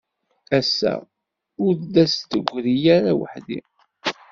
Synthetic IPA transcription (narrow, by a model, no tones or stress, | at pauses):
æsːæ̰ | ʊɾd̪æst̪ːəɡʷɾijæɾawə̰ħd̪ḭ